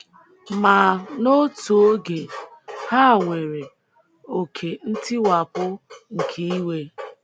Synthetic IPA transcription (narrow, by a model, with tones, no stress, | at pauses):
ma˨no˦tu˨o˦ɡe˨ha˦˨ŋʷe˨ɾe˨ | o˨kʰe˨n̩˦tɪ˦wa˨pʊ˦ŋ̩˨kʰi˦i˦we˦